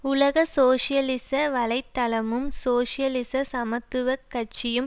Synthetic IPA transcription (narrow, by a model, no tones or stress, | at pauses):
ʊlɐɣɐsoːʂɪjɐlɪsɐʋɐɭɐɪt̪ːɐɭɐmɯmsoːʂɪjɐlɪsɐsɐmɐt̪ːɯʋɐkːɐt͡ʃːɪjɯm